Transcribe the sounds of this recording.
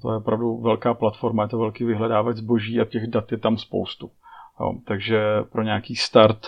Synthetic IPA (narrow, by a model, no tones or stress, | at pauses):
t̪ojɛopɾavduvɛlkaːplat̪fo̞ɾmajɛt̪ovɛlkiːvɪɦlɛdaːvazbo̞ʒiːʔacɛɣdat̪jɛt̪amspo̰wst̪ujo̰ːt̪aɡʒɛpɾʔo̞ɲɛaakiːst̪aɾt̪